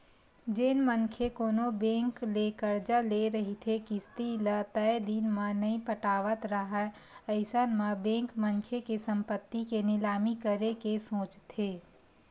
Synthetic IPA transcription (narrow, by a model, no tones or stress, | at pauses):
d͡ʒeːnmənkʰekoːnobẽːŋklekəɾd͡ʒəleɾəɦit̪ʰekist̪ilət̪əjd̪inmãnəĩpəʈaːʋət̪ɾəɦə | əɪsənmãbẽːŋkməŋkʰekesə̃mpət̪ːikenɪlaːmikəɾekesõːt͡ʃt̪ʰeː